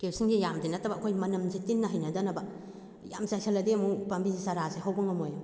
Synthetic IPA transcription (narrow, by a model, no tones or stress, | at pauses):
kewsiŋɡijamdinːɐtʰːɐbɐːkʰojmɐnɐmzitinːɐɦɐjnɐdɐnɐbɐ | ja̰msajsʰɐlɐdemupambizisaɾaseɦawbɐŋɐmojm